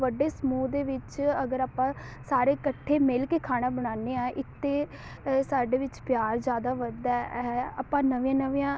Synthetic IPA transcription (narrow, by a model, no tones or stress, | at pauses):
ʋəɖeːsəmuːd̪eːʋɪt͡ʃəɡəɾaːpãːsaːɾeːkəʈʰːeːmɪlkeːkʰaːɽ̃aːbəɽ̃aːneːãːʔɪt̪ːeː | saːɖeːʋɪt͡ʃpjaːɾd͡ʒjaːd̪aːʋəd̪ɛːɛa̰ːpãːnəʋĩjãːnəʋiãː